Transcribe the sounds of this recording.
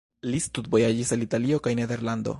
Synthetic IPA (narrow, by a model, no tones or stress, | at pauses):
list̪ut̪bo̞jad͡ʒisalitalio̞kajne̞d̪e̞ɾland̪o̞̰